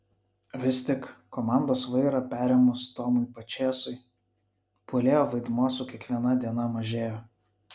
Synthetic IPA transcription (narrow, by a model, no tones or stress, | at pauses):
ʋʲɪst̪ʲɪkkːɔmɑˑnd̪oːsʋɐɪɾɐpʲæːɾʲɛmʊst̪oːmʊɪpɐt͡ʃʲeːsʊɪ | puːlʲeːjoːʋɐɪd̪muɔsuˑkʲiɛkʋʲiɛnɐd̪ʲiɛnɐmɐʒʲeːjo